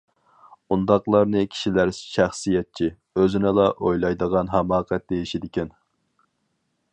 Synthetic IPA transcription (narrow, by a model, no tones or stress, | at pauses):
und̪ɑqlˠɑɾnɨkʲʰi̥ʃilæɾʃæχsijɛt̪̚t͡ʃʰi | øzɪnɪlˠɑʔojlˠɑjd̪əʁɑnɦæmɑːqʰɛt̪̚d̪ejiʃid̪ɪkʲɛn